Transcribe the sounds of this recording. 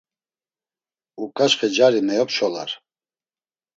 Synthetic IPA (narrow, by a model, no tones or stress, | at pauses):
ukʼaʃχɛd͡ʒaɾimɛjɔpʃɔla̰ɾ